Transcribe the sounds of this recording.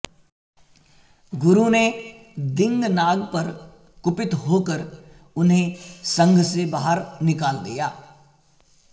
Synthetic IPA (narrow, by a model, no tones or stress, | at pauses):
ɡʊɾune | d̪ɪ̃ŋɡnaːɡpɐɾ | kʊpɪt̪ɦoːkəɾ | ʊnɦẽsɐ̃ŋɡʱsebaːɦəɾnɪkaːld̪ijaː